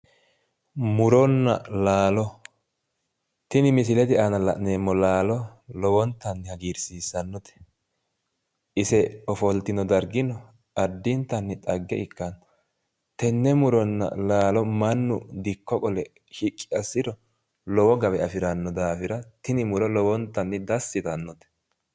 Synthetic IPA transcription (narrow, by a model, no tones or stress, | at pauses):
mʊɾɔnːɐ̰laːlɔ | t̪ɪnɪmɪsɪlɛt̪ɪanɐlɐneːmːɔlaːlɔlɔwɔnt̪ːɐnːɪhɐɡiːɾsiːsːɐnːɔt̪ɛ̥ | ʔɪsɛɔfɔlt̪ːɪnɔd̪ɐɾɡɪnɔ | ʔɐd̪ːɪnt̪ːɐnːɪt̪ʼɐɡːɛɪkːɐn | t̪ɛnːɛmʊɾɔnːɐ̰laːlɔmɐnːʊ̰d̪ɪkːɔkʼɔlɛ | hɪkʼːɪ̥ɐsːɪɾɔ | lɔwɔɡɐbɛɐfɪɾɐnːɔd̪aːfɪɾɐt̪ɪnɪmʊɾɔlɔwɔnt̪ːɐnːɪd̪ɐsːɪt̪ɐnːɔt̪ɛ̥